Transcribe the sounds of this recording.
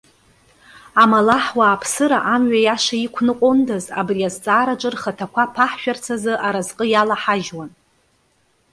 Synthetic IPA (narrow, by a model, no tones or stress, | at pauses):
amalaħwaːpʰsɨɾaʔamɥajaʂaikʷʰnɨqʷʼondaza̰briazt͡sʼaːɾaʈ͡ʂʷʼɨrχatʰakʷʰapʰaħʃᶣart͡sʰazɨʔaɾazqʼəjalaħaʒwan